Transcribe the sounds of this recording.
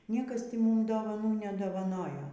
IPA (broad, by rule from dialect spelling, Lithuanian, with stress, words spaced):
ˈnʲiɛkɐs ˈtʲɪ ˈmʊm doːʋɐˈnuː nʲɛdoːʋɐˈnoːjoː